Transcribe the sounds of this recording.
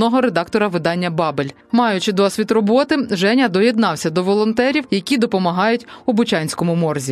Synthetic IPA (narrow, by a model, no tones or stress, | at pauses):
ɔɦɔɾed̪ɑkt̪ɔɾɐʋɪd̪ɑnʲːɐbɑbelʲ | mɑjʊt͡ʃɪd̪ɔsʲʋʲit̪rɔbɔt̪ɪʒɛnʲɐd̪ɔjed̪nɑwsʲɐd̪ɔʋɔlˠɔnt̪ɛɾʲiwjɐkʲid̪ɔpɔmɐɦɑjʊtʲʊbʊt͡ʃɑnʲsʲkɔmʊmɔrzʲi